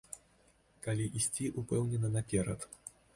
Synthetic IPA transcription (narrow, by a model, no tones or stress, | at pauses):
kalʲiʔisʲt͡sʲiʔupɛwnʲɛnɐnɐpʲɛɾɐt̪